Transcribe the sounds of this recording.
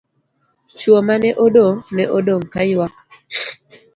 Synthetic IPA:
t͡ʃwomanɛʔodoŋnɛʔodoŋkajwak

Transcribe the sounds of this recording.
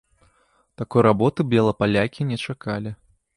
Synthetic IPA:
t̪akɔjɾabɔt̪ɨbʲɛlˠɐpalʲakʲinʲɛt͡ʂakalʲi

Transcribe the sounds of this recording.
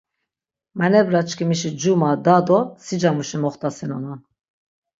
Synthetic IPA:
mɛnɛvɾat͡ʃʰkʰimiʃid͡ʒumad̪ad̪ɔsid͡ʒamuʃimɔχt̪ʼasinɔna

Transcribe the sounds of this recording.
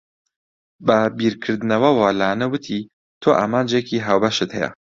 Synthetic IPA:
bɐbiːɾkʰɨɾd̪ɨnɐwɐwaːlaːnɐwɨt̪ʰi | t̪ʰoːʔaːmaːnd͡ʒekʰiːɦaːwbɐʃɨt̪hɐjɛ̰

